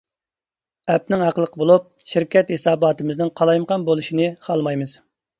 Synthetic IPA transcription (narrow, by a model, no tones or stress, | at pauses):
ɛp̚nɪŋɑqəlˠəqʰəbolˠup̚ʃɪɾkʲʰɛt̪hesɑːbɑːt̪ʰɨmɨznɪŋqʰɑlˠɑjməʁɑnbolˠuʃinɨχʰɑlˠmɑjmɨz̥